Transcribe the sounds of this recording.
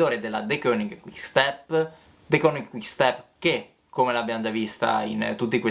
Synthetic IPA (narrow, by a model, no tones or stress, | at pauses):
oːɾed̪elːad̪ekøniɡwist̪ɛp | d̪ekɔniwist̪ɛpːke | kːomelabjand͡ʒavist̪a̰int̪ut̪ːikwe